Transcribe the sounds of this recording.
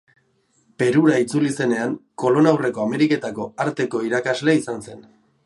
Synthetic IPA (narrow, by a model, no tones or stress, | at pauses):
pe̞ɾuɾait͡sulise̞ne̞aŋko̞lo̞nawre̞ko̞ame̞ɾike̞t̪ako̞aɾt̪e̞ko̞iɾakazle̞isanse̞n